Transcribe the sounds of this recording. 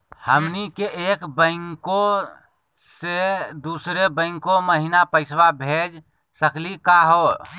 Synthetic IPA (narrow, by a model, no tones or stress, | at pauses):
həmnikeʔeːkbə̃ɪŋko | sed̪uːsɾebə̃ɪ̃ŋkoməɦinapəɪswabʱeːd͡ʒ | səkʰlikaɦoː